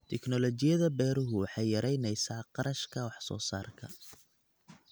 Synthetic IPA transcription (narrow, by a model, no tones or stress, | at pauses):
t̪ʰɛknɔlɔt͡ʃɪjɐðɐbɛːɾʊɦʊwɑħɑjjɐɾɛjnɛjsaːqɑɾɐʃkʰɐwɑħsɔ̰ːsa̰ːrkʰɐ̰